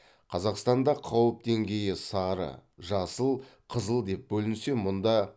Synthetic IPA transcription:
qʰɑzɑqst̪ɑnd̪ɑqʰɑwəp̚d̪e̞ŋɡʲe̞jɪsɑɾə̰ʒɑsəlˠqʰəzəlˠd̪e̞p̚bɵlɪnse̞mʊnd̪ɑ

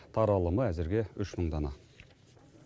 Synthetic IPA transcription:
t̪ʰɑɾɑlˠəməæzɪɾɡʲe̞ʏʃməɴd̪ɑnɑ

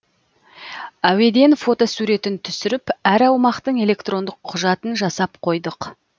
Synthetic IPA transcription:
æwe̞d̪e̞nfo̞t̪o̞suɾe̞t̪ɪnt̪ʰʏsɪɾɪpæɾɑwmɑqt̪əɴe̞le̞kt̪ro̞nd̪əqʰːʊʒɑt̪ənʒɑsɑp̚qʰo̞jd̪əq

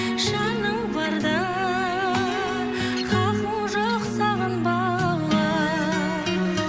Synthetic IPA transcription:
ʃɑnəwbɑɾd̪ɑ | qʰɑquʒoqsɑʁənbɑ | lˠːɑ

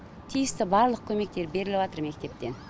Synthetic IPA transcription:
t̪ʰijɪst̪ɪbɑɾlˠəq̚kʲʰɵme̞k̚t̪e̞ɾbe̞ɾɪlɪbɑt̪əɾme̞kt̪e̞p̚t̪e̞n

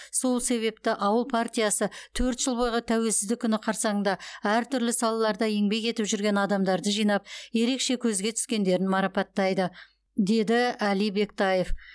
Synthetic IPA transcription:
so̞lˠse̞βe̞p̚t̪ɪʔɑwəlˠpʰart̪ʲijɑsət̪ʰɵɾt̪ʒəlˠbojʁət̪ʰæwe̞lsɪzd̪ɪkʲʰːʏnɪqʰɑɾsɑŋəɴnd̪ɑæɾt̪ʰʏɾlɪsɑlˠɑlˠɑɾd̪ɑe̞ŋbe̞kʲe̞t̪ɪpʒʏɾɡʲe̞nɑd̪ɑmd̪ɑɾd̪əʒijnɑp̚je̞ɾe̞kʃe̞kʲʰɵzɡʲe̞t̪ʰʏ̥skʲe̞nd̪e̞ɾɪnmɑɾɑpɑt̪ːɑjd̪ə | d̪e̞d̪ɪælijbe̞kt̪ɑje̞f

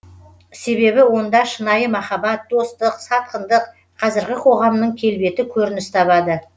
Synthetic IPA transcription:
se̞βe̞bɪwo̞nd̪ɑʃənɑjəmɑχɑbɑt̪̚d̪o̞st̪əqsɑt̪̚qənd̪əq | qʰɑzɪɾɡʲɪqʰo̞ʁɑmnəɴkʲʰe̞lbe̞t̪ɪkʲʰɵɾɪnɪst̪ʰɑβɑd̪ə

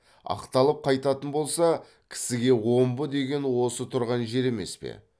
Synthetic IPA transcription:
ɑ̰qt̪ɑlˠəp̚qʰɑjt̪ɑt̪ənbo̞lˠsɑ | kʲʰɪ̥sɪɡʲe̞wo̞mbəd̪e̞ɡʲe̞nwo̞sət̪ʰʊɾʁɑnʒe̞ɾe̞me̞̰spḛ

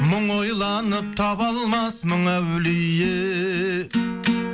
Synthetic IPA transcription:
mʊɴojlˠɑnəp̚t̪ʰɑβɑlˠmɑsməɴæwlɪjɪ

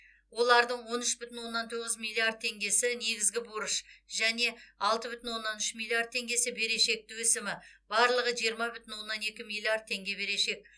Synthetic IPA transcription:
wo̞lˠɑɾd̪əɴwo̞nʏʃbʏt̪ɪnwo̞nːɑnt̪ʰo̞ʁəzmilʲˠːiard̪̚t̪ʰe̞ŋɡʲe̞sɪne̞ɡʲɪzɡʲɪboɾəʃʒæne̞ɑlˠt̪əbʏt̪ɪnwo̞nːɑnʏʃmilʲːˠiard̪̚t̪ʰe̞ŋɡʲe̞sɪbe̞ɾe̞ʃe̞k̚t̪ɪwɵsɪmɪb̥ɑɾlˠəʁəʒijəɾmɑbʏt̪ɪnwo̞nːɑne̞kʲɪmilʲˠiard̪̚tʰe̞ŋɡʲe̞be̞ɾe̞ʃe̞k̚

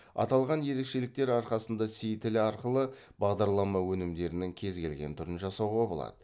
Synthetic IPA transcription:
ɑ̰t̪ɑlˠʁɑnje̞ɾe̞kʃe̞lɪk̚t̪e̞ɾɑɾqɑsənd̪ɑsijt̪ʰɪlɪɑɾqəlˠə | b̥ɑʁd̪ɑɾlˠɑmɑwɵnɪmd̪e̞ɾɪnɪŋkʲʰe̞zɡʲe̞lɡʲe̞nt̪ʰʊɾənʒɑsɑwʁɑbo̞lˠɑ̰d̪ə

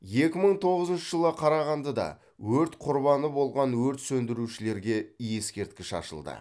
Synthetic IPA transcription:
je̞kʲɪməɴt̪ʰo̞ʁəzənʃəʒəlˠʁɑqʰɑɾɑʁɑnd̪əd̪ɑ̰ | wɵɾt̪qʰʊɾbɑnəbo̞lˠʁɑnwɵɾt̪sɵnd̪ɪɾuʃɪle̞ɾɡʲe̞ije̞skʲe̞ɾt̪̚kʲɪʃɑ̰ʃə̰lˠd̪ə̰

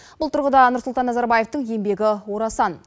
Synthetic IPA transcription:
b̥ʊlˠt̪ʰʊɾʁəd̪ɑnʊɾsʊlˠt̪ɑnːɑzɑɾbaje̞ft̪əŋe̞mbe̞ɡʲɪwo̞ɾɑsɑn

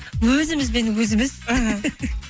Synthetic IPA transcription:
wɵzɪmɪzbe̞nwɵzɪmɪz̥aɦə

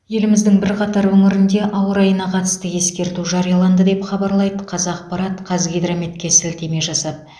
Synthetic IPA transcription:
je̞lɪmɪzd̪ɪŋbɪɾqɑt̪ɑɾwɵŋɪɾɪnd̪e̞ʔɑwəɾɑjənɑqʰɑt̪ə̥st̪əje̞skʲe̞ɾt̪uʒɑɾijɑlˠɑnd̪əd̪e̞pχɑbɑɾlˠɑjd̪əqʰɑzɑq̚pɑɾɑt̪qʰɑzɡʲijd̪ɾamet̪̚kʲe̞sɪlt̪e̞me̞ʒɑsɑd̪ə

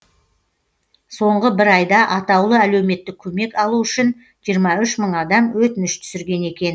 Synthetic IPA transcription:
so̞ɴʁəbɪɾɑjd̪ɑʔɑt̪ɑwlˠəælewme̞t̪ːɪkʲʰːɵme̞kɑlˠuʏʃɪn | ʒ̥ijəɾmɑʏʃməɴɑd̪ɑmwɵt̪ɪnɪʃt̪ʰʏ̥sɪɾɡʲe̞ne̞kʲe̞n

